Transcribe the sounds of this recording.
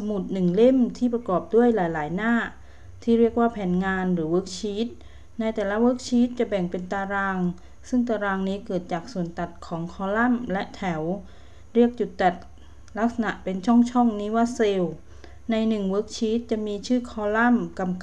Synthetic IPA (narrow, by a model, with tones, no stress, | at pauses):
sa˧mu˨˩t̪̚nɯ˨˩ŋle˥˩mt̪ʰiː˥˩p̬ɾa˧kɔː˨˩p̚du˥˩əjlaː˩˦jlaː˩˦jnaː˥˩ | t̪ʰiː˥˩ɾi˥˩ək̚waː˥˩pʰɛː˩˦nŋaː˧nɾɯː˩˦wɤː˦˥k̚t͡ɕʰiː˦˥t̪̚ | na˧jt̪ɛː˨˩la˦˥wɤː˦˥k̚t͡ɕʰiː˦˥t̪̚t͡ɕa˨˩bɛ˨˩ŋpe˧nt̪aː˧ɾaː˧ŋ | sɯ˥˩ŋt̪aː˧ɾaː˧ŋniː˦˥kɤː˨˩t̪̚t͡ɕaː˨˩k̚su˨˩ənt̪a˨˩t̪̚kʰɔː˩˦ŋkʰɔː˧la˥˩mlɛ˦˥ʔt̪ʰɛ˩˦w | ɾi˥˩ək̚t͡ɕu˨˩t̪ːa˨˩t̪̚ | la˦˥k̚sa˧na˨˩ʔpe˧nt͡ɕʰɔ˥˩ŋt͡ɕʰɔ˥˩ŋniː˦˥waː˧˥˩seː˧w | na˧jnɯ˨˩ŋwɤː˦˥k̚t͡ɕʰiː˦˥t̪̚t͡ɕa˨˩miː˧t͡ɕʰɯː˥˩kʰɔː˧la˥˩mka˧mk